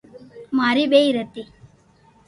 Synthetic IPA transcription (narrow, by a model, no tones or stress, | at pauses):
maɾibeɾɐt̪ːi